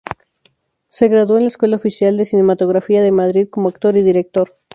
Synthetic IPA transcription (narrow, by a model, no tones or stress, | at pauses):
se̞ɣɾaðoenlaeskwe̞laofisjald̪esine̞mat̪o̞ɣɾafiaðe̞maðɾiðko̞moakt̪oɾiðiɾe̞k̚t̪o̞ɾ